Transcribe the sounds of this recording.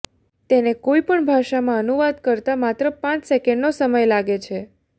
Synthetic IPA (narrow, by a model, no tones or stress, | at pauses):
t̪enekoipəɳbʱaʃamãənuʋad̪kəɾt̪amat̪ɾəpãt͡ʃsekɛɳɖnosəməjlaɡet͡ʃʰe